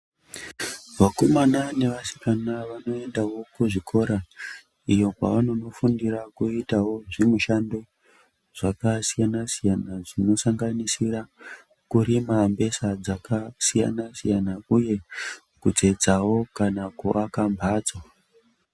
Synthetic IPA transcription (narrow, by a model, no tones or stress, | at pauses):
ʋakomanane̞ʋasi̥kanaʋano̞e̞ndawo̞kuʐikʰo̞ɾa | ijo̞pa̰ʋano̞no̞fundiɾakuitawo̞ʐimuʃando̞ | ʐ̥akasijanasijanaʐino̞saŋɡanisira | kuɾimambe̞sad͡zakasija̰nasijanauje̞ | kud͡ze̞d͡zawo̞kanakuʔakambʱaːd͡zwa